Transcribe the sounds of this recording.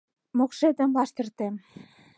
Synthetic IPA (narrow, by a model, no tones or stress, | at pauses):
mokʃed̪ə̆mbɑʃt̪ə̆rt̪em